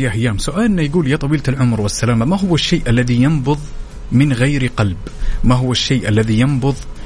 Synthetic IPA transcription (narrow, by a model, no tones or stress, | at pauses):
jaʔajːaːmsʊʔaːlʔɪnːajɡuːljat̪ˤɑwiːllʕʊmɾwɪsːalaːmamaɦʊwaʃːeːʔalːaðijɑmbʊðˤ | mɪnɣajɾqɑlb | maɦʊwaʃːeːʔalːaðijɑmbʊðˤ